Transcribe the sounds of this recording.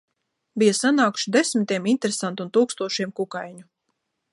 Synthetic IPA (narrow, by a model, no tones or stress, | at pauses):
bijasanaːku̥ʃid̪esmit̪iɛmint̪eɾesant̪unt̪uːkst̪uɔʃiɛmkukajɲu